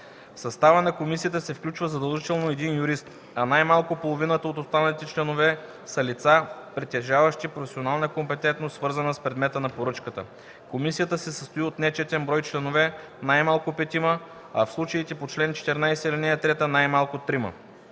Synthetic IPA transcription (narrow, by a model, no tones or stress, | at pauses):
fsɐst̪avənɐkomisijət̪əsɛfklʲut͡ʃvəzɐd̪ɐlˠʒit̪ɛlˠnoɛd̪injʊɾist̪ | ɐnajmalˠkopolˠovinət̪əot̪ost̪anɐlit̪ɛt͡ʃlɛnovɛ | sɐlit̪sapɾit̪ɛʒavəʃt̪ipɾofʲɛsionalˠnəkompɛt̪ɛnt̪nossvɤɾzənəspɾɛd̪mɛt̪ənɐpoɾɤt͡ʃkət̪ə̰ | komisijət̪əsɛsəst̪oiot̪nɛt͡ʃɛt̪ʲɛnbɾɔjt͡ʃlɛnovɛ | najmalˠkopɛt̪ʲimə | ɐfslˠut͡ʃəit̪ɛpot͡ʃlɛnt͡ʃɛ̥t̪ɛɾnajsɛilinɛjɐt̪ɾɛt̪ənajmalˠkot̪ːɾimə̰